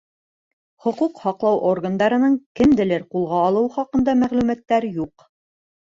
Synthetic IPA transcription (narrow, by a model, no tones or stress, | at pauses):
χŏquqhɑqlˠɑwʔorɡand̪ɑɾɤ̆nɤɴkɘ̆md̪ɘ̆lɘɾqulˠʁɑːlˠɤwχɑqɤ̆nd̪ɑmæʁlʉmæt̪ːæɾjuq